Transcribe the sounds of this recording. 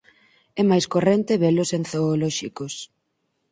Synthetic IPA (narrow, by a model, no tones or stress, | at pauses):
ɛmajskorɛnt̪eβɛlʊsenθoːlɔʃikos